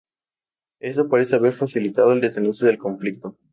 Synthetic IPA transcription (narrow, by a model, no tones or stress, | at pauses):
e̞st̪opaɾe̞seaβe̞ɾfasilit̪aðoeld̪e̞senusjoðe̞lko̞ɱflik̚t̪o̞